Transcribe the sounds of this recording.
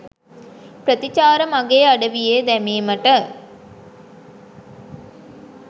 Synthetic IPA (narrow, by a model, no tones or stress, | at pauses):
pɾət̪it͡ʃaːɾəmaɡeːaɖəʋijed̪æmiːməʈə